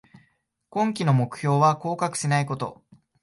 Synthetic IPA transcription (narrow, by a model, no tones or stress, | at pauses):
kõ̞ŋk̬ʲino̞mo̞kɯ̟̥ço̞ːβako̞ːkakɯ̟̥sinaiko̞t̪o̞̰